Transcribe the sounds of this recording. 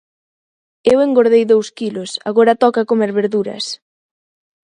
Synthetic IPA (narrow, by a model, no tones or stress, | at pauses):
eweŋɡoɾð̞ejðowskilʊsa̰ɣoɾɐt̪ɔkakomeɾβeɾðuɾɐ̰s